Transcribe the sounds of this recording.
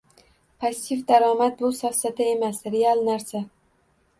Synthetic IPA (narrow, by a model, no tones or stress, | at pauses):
pʰazɪt̪ːifd̪aɾɒːmat̪̚bʊsɒfsat̪ʰae̞masɾealˠnaɾsa